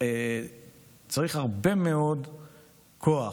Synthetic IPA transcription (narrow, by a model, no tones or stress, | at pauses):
e | t͡saʁiχhaʁbe̞meod | kʰoa